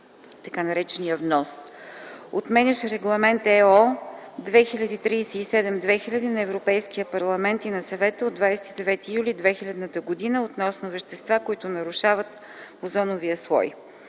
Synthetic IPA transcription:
t̪ɐkanɐɾɛt͡ʃɛnijəvnɔs | ot̪mɛnʲɐʃɛɾɛɡlˠɐmɛnt̪ɛɔd̪vɛxilʲəd̪iːt̪ɾiːsɛisɛd̪ɛmd̪vɛxilʲɐd̪inɐɛvɾopɛjskijəpɐɾlˠɐmɛnt̪inɐsɐvɛt̪əod̪vajsɛ̥t̪id̪ɛvɛt̪ijulʲid̪vɛxilʲɐd̪nət̪əɡod̪inəot̪nɔsnʊvɛʃt̪ɛst̪vakoit̪ʊnɐɾʊʃavət̪ | ozɔnoviəslˠɔ̰j

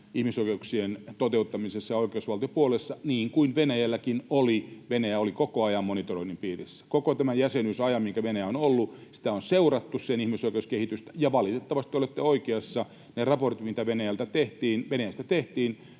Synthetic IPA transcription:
ihmisoikeuksient̪ot̪eut̪ːɑmisesːɑjoikˑeusʋɑlt̪ijopuolesːɑniːŋkuinʋenæjælːækinoliʋenæjæolikokoɑjɑmmonit̪oroinːimpiːrisːæ̥kokot̪æmæjæsenysɑjɑmmiŋkæʋenæjæonolːusi̥t̪æonseurɑt̪ːussenihmisoikeuskehit̪yst̪æjɑʋɑlit̪et̪ːɑʋɑst̪iolet̪ːeoikeɑsːɑ | nerɑport̪it̪mit̪æʋenæjælt̪æt̪eht̪iːnʋenæjæst̪æt̪eht̪iːn

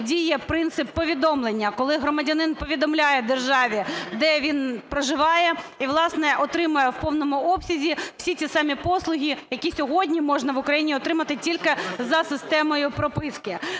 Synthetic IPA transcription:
dʲijɛpɾɪnt̪sɪpːɔʋʲid̪ɔmlˠenʲːɐkɔlˠɪɦɾɔmɐdʲɐnɪnpɔʋʲid̪ɔmlʲajɛd̪erʒɑʋʲid̪ɛʋʲinpɾɔʒɪʋɑjɛiʋlˠɑsnɛʔɔt̪ɾɪmɐjɛwpɔwnɔmʊɔpsʲɐzʲiw̥sʲitt͡sʲisɑmʲipɔslˠʊɦʲijɐkʲisʲɔɦɔdʲnʲimɔʒnɐʋʊkɾɐjinʲiɔt̪ɾɪmɐt̪ɪtʲilʲkɪzɐsɪst̪ɛmɔjʊpɾɔpɪskɪ

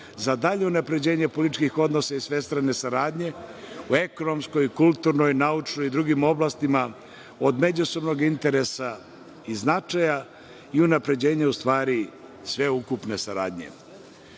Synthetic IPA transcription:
zad̪aʎe̞unapɾe̞d͡ʑe̞ːɲepo̞lit̪t͡ʃkixo̞d̪no̞saisʋe̞st̪ɾane̞saɾaːd̪ɲe̞ue̞ko̞no̞mskojikulˠt̪uɾno̞jnaut͡ʂnoid̪ɾuɡimo̞blast̪ima | o̞d̪me̞d͡ʑuso̞bno̞ɡint̪e̞ɾe̞sa | iznat͡ʃaja | iunapɾe̞d͡ʑe̞ːɲaust̪ʋaːɾi | sʋe̞ukupne̞saɾa̰ːd̪ɲe̞̰

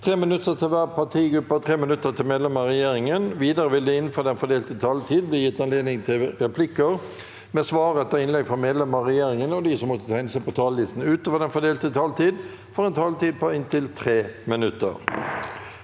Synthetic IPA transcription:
t̪ʰʁeːmɪnʉt̪ːət̪ʰɪlʋæːʁpʰɑt̪ʰiːɡɾʉpːɑt̪ʰʁeːmɪnʉt̪ːət̪ʰɪlmeːd̪lɛməʁɛjeːɾɪŋənʋiːd̪ɑɾəʋɪləd̪ɛɪnfoːd̪ɛnfɔd̪eːlt̪ət̪ʰɑlt̪ʰiːd̪̚bliːjɪt̪ːɑnleːd̪nɪŋt̪ʰɪlɾɛpʰlɪkːəʁ | mɛsʋɑːʁət̪ʰɑɪnlɛɡfɔmeːd̪lɛməʁɛjeːɾɪŋənɔd̪isɔmːɔt̪ːə̥t̪ʰæɪnəsæpɔt̪ʰɑːləlɪst̪n̩ʉːt̪oːʋəd̪ɛnfɔd̪eːlt̪ət̪ʰɑːlt̪ʰiːd̪ | fɔʁɛnt̪ʰɑlt̪iːd̪̚pʰɔɪnt̪ʰɪlt̪ʰʁeːmɪnʉt̪ːə̰ʁ

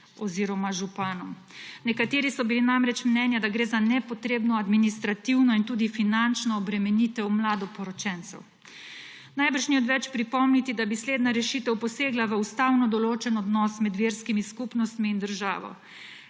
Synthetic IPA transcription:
ɔziːɾɔmaʒupaːnɔm | nɛkat̪eːɾisɔbilinamɾɛt͡ʃmnɛnjad̪aɡɾeːzanɛpɔt̪ɾeːbnɔad̪minist̪ɾat̪iwnɔint̪uːd̪ifinant͡ʃnɔːbɾɛmɛnit̪ɛwmlaːd̪ɔpɔɾɔt͡ʃɛnt̪sɛ̰w | najbəɾʃniɔt̪ʋɛt͡ʃpɾipɔmnit̪id̪abisleːd̪naɾɛʃiːt̪ɛwpɔseːɡlaʋəust̪awnɔd̪ɔloːt͡ʃɛnɔd̪nɔsmɛd̪ʋeːɾskimiskupnɔst̪miːnd̪əɾʒa̰ːʋɔ̰

